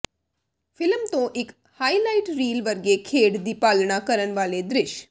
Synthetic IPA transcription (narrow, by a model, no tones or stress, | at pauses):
fɪlmt̪õʔek | hailaiʈɾiːlʋəɾɡekʰeːɽd̪ipalɳakəɾəɳʋaled̪ɾɪʃ